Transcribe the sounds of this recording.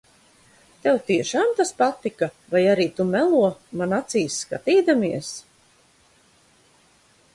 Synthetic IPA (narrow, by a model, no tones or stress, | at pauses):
t̪ɛwt̪iɛʃaːmt̪aspat̪ikavajaɾiːt̪umɛlˠuɔmanat̪siːsːkat̪iːd̪amiɛs